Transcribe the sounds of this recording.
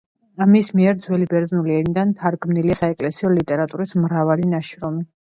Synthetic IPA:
amismiɛɾd̪zwɛlibɛɾd̪znuliɛnid̪ant̪ʰaɾɡmniliasaɛkʼlɛsiɔlit̪ʼɛɾat̪ʼuɾismɾavalinaʃɾɔmi

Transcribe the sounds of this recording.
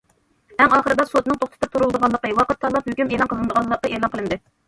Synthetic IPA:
ɛŋɑːχəɾɨd̪ɑsot̪̚nɨŋt̪ʰoχt̪ɨ̥t̪ɨp̚t̪ʰuɾulˠd̪əʁɑnlːˠəqəwɑqət̪ʰːɑlˠɑphøkʲymeːlˠɑnqʰəlˠɨnd̪əʁɑnlˠːɑqːəʔelˠɑnqəlˠɨnd̪ɨ

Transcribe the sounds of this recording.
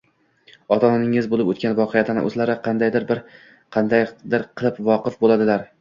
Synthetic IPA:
ɒt̪ʰɒnanɪŋɪzbolˠɪpɵ̰t̪kʲanvɒqʰejat̪ʰanɪ̰ʔɵ̰zlaɾɪqʰɑnd̪ajd̪ɪɾbɪɾ | qʰɑnd̪ajd̪ɪɾqʰɨlˠɪpvɒqɨfbolad̪ɪlaɾ

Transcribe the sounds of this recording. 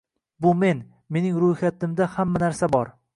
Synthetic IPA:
bʊme̞n | me̞nɪŋɾʊjχat̪ɪmd̪ahamːanaɾsabɒɾ

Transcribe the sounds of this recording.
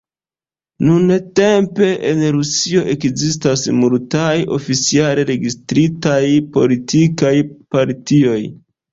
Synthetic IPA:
nunete̞mpe̞ʔenɾusio̞ʔe̞kzistasmultajo̞̰fit͡sialeɾe̞ɡistɾitajpo̞litʰikajpaɾtio̞j

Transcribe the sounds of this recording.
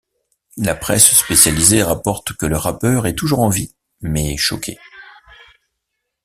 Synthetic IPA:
lapχɛsspesjalizeʁapɔʁt̪kələʁapœʁɛt̪uʒuʁɑ̃vi | mɛʃɔ̰kʲʰḛ

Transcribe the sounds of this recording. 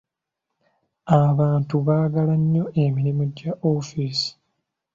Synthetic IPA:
aβaːntuβaːɡalaɲːo̞ʔemiɾimoɟːaʔofiːsi̥

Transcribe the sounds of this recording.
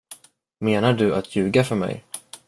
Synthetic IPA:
meːnaɖɵʔat̪ʰjʉ̟ːɡafœɾmɛ̰j

